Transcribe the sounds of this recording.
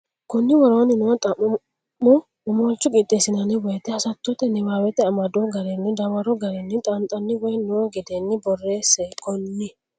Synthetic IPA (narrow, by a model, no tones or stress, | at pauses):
kɔnːɪwɔɾoːnɪnɔt̪ʼɐmː | ɔ | ɔmɔlt͡ʃːʊɡʼɪt̪ʼːeːsɪnɐnɪwɔjt̪ːɛhɐsɐt̪ːɔt̪ɛnɪbaːwɛt̪ɛɐmɐd̪oɡɐɾɛnːɪd̪ɐwɐɾɔɡɐɾɛnːɪt̪ʼɐnt̪ʼɐnːɪwɔjnɔɡɪd̪enːɪbɔrːeːsɛkʰɔnːɪ